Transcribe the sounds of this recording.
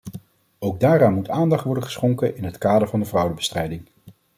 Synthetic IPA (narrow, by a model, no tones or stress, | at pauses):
owɡ̚daːɾaːnmutaːndɑχtʋɔɹdəχə̥sχoŋkənʔɪnɦətkaːdəɹvɑndəvrʌwdəbə̥strɛjdɪŋ